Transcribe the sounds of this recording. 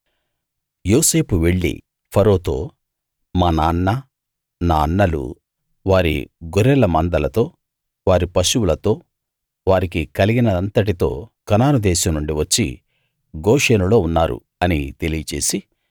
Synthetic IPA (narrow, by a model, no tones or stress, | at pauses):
joːse̞ːpuʋeɭːḭ | pʰɐɾo̞ːt̪o̞̰ː | maːnaːnːa | naːɐnːɐlṵ | ʋaːɾḭɡoɾɛlɐmɐnd̪ɐlɐt̪o̞ː | ʋaːɾipɐʃuwulɐt̪o̞ː | ʋaːɾikikɐliɡinɐɐnt̪ɐʈit̪o̞ːkɐnaːɾud̪ɛːʃɐmnuɳɖiʋɐt͡ʃːḭ | ɡoːʂenulo̞ːunːaːɾṵ | ɐnit̪e̞lijɐt͡ʃe̞ːsi